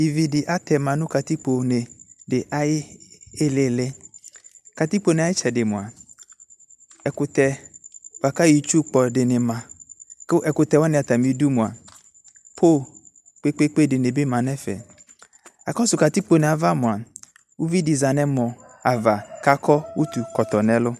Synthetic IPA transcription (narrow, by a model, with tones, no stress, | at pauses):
i˨vi˨dɪ˨ʔa˦t̪ɛ˨mã˨nʊ̃˦ka˨t̪i˦k͡po˨nɪ˨dɪ˨ʔa˨jɪ˦ɪ˦le˨le˦ | ka˨t̪i˦k͡po˨nɪ̃˨a˨˦ɪ˦t͡ʃɛ˨dɪ˨mʊ̃˨a˨ | ɛ˨kʊ˨t̪ɛ˨wa˨ka˦ji˨t͡ʃu˦k͡pɔ˨dɪ˨nɪ̃˨mã˨˦ | ʔɛ˨kʊ˨t̪ɛ˨wɔ˦nɪ̃˨a˨t̪a˨mĩ˨˦du˦mʊ̃˨a˨ | pʰo˦˨ | k͡pe˦k͡pe˦k͡pe˦˨dɪ˨nɪ˨bɪ˦mã˨nɛ̃˦fɛ̰˨ | a̰˨kɔ˦sʊ˨ka˨t̪i˦k͡po˨nɛ˨a˨va˦mʊ̃˨a˨ | wu˦vi˦di˨za˨nɛ̃˦mɔ̃˨a˨va˨ka˦kʰɔ˦wʔu˦t̪u˨kɔ˨t̪ɔ˨nɛ̃˨lʊ˦